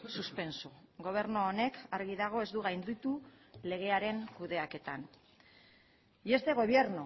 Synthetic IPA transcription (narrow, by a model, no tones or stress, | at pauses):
suspe̞nsuɡo̞β̞e̞ɾnoːne̞kaɾɣiðaɣ̞o̞e̞zd̪uɣ̞ajnd̪it̪u | le̞ɣ̞e̞aɾe̞ŋkuðe̞ake̞t̪an | ie̞st̪e̞ɣ̞o̞β̞je̞ɾno